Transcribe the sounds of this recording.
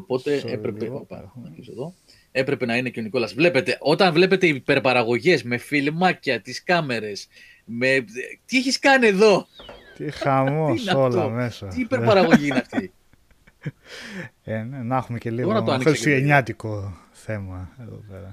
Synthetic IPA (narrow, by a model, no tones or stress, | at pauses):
opo̞t̪e̞epɾepepnɐkisoðo̞ | e̞pɾepe̞nɐine̞ceoniko̞lɐzvle̞pe̞t̪e̞ʔo̞t̪ɐɱvle̞pe̞t̪e̞ipe̞ɾpɐɾɐɣo̞ʝe̞zme̞filmɐcɐt̪iskɐme̞ɾe̞s | me̞t̪ieçiskɐnie̞ðo̞t̪ixɐmoineɐolomesɐt̪ipeɾpɐɾɐɣo̞ʝiineɐft̪i | enenɐxumeceliɣonɐt̪oɐniseseɲɲɐt̪iko | θe̞mɐeðopeɾɐ